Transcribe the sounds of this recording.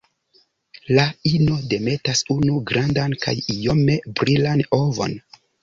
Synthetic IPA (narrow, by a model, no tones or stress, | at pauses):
laino̞de̞me̞tasunuɡɾandanka̰jijo̞me̞bɾilano̞vo̰n